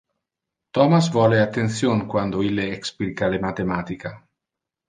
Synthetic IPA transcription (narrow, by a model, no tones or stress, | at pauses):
t̪ɔmasvɔleat̪ːent̪sjonkwand̪oilːeeksplikalemat̪emaːt̪ika